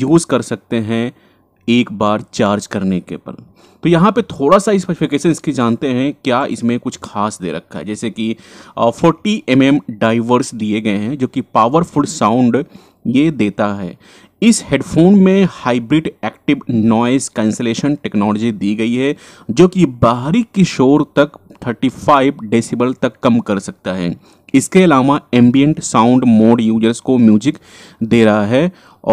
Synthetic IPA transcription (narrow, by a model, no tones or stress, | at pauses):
juːzkɐɾsɐk̚t̪eɦɛ̃ | eːkbaːɾt͡ʃaːɾd͡ʒkɐɾnekḛpɐ̰l | t̪ojɐɦãpet̪ʰoːɽasaɪspɛɾɪfɪkeːʃənɪskid͡ʒaːnt̪eɦɛ̃kjaːɪ̰smẽkʊt͡ʃʰxʰaːsd̪ḛːɾɐ̰k̚ʰa̰ɦɛ̰d͡ʒɛːsekifʰɔːɾʈiʔɛmɛmɖaːɪʋəɾsd̪ieɡɐeɦɛ̃d͡ʒoːkipaːʋəɾfʊlsãːʊ̃ɳɖ | jed̪eːt̪aɦɛ̰ː | ɪsheːɖfʰoːnmẽhaːɪbɾɪɖɛːkʈɪʋnɔːskɛ̃ːnseleːʃənʈɛknɔːlɔd͡ʒid̪iːɡɐiɦɛ | d͡ʒoːkibaːɦɾikɪʃoːɾt̪ɐkt̪ʰəɾʈifaːɪbɖeːsɪbəlt̪ɐkːɐmkɐɾsɐk̚t̪aɦɛ̰ː | ɪskeɐlaːʋaɛ̃ːmbijə̃ɳʈsãːʊ̃ɳɖmoːɖjuːd͡ʒəɾzkomjuːd͡ʒɪk | d̪eːɾɐɦaɦɛː | ɔː